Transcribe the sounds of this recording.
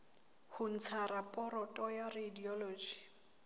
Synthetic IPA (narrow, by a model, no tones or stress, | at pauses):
hʊn̩t͡sʰaɾapʼɔɾɔtʼɔjarediɔloːd͡ʒi̥